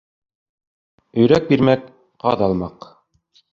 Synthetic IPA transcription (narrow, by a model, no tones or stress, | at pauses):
ɵ̆jɾæk̚biɾmæk | qɑ̰ðɑlˠmɑq